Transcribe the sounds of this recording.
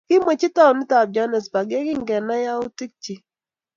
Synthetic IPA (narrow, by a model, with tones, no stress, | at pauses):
kɪ˦mo˨t͡ʃi˦ta˦˨nɪ˦ta˨b̚d͡ʒa˦nɛ˨sba˨ɡɛ˦kɪ˦ŋɡɛ˨na˦ja˦ʊ˦ti˦k̚t͡ʃi˨